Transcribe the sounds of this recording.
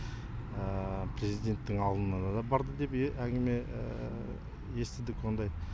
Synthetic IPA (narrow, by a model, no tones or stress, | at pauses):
əpʰre̞zid̪ʲe̞nt̪ːɪŋɑlˠd̪ənɑd̪ɑd̪ɑbɑɾd̪əd̪e̞pʔæŋɡʲɪme̞ | je̞st̪ɪd̪ɪkwond̪ɑj